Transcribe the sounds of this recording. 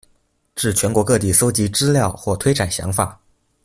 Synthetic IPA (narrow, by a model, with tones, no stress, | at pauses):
ʈ͡ʂɻ̩˥˩t͡ɕʰɥɛ˧˥nkwɔ˧˥kɤ˥˧t̪i˥˩so˥ʊt͡ɕi˧˥ʈ͡ʂɻ̩˥ljɑ˥˧ʊxwɔ˥˩t̪ʰwe˥ɪʈ͡ʂa˨˩nɕjɑ̰˧˥ŋfa˨˩˦